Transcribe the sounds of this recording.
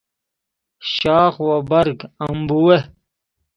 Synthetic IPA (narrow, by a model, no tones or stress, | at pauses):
ɕaːxwabɐɾɡɐmbuwe